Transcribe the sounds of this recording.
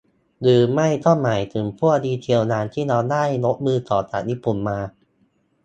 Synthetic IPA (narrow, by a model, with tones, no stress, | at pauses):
ɾɯː˧ma˥˩jt̪ʰo˥˩nma˨˩jt̪ʰɯː˨˩˦mpʰu˥˩ədiː˧t̪ʰi˧əwnaː˧˥nt̪ʰiː˥˩ɾaː˧˥wdaː˥˩jno˦˥t̪̚mɯː˧t̪ɔː˨˩t̪a̰˨˩t̪jiː˦˥˩pːu˨˩nmaː˧